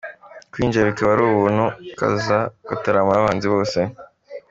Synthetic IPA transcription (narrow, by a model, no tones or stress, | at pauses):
kwiːɲd͡ʒaβikaβaɾuːβuːnhuka̰zakataɾamaβaːnziβo̞ːse